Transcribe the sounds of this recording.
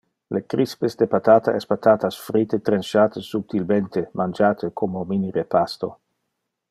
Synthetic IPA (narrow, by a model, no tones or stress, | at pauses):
lekɾispesd̪epat̪aːt̪aʔɛspat̪aːt̪asfɾit̪et̪ɾenʃaːt̪əsup̚t̪ilment̪emand͡ʒaːt̪ʰekʰomominiɾepast̪o